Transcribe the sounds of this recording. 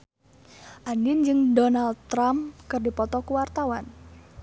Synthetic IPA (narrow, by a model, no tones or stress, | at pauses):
ʔandɪnd͡ʒɨŋdonald̪̚t̪ɾamkɨrdipɔt̪ɔkuwart̪awan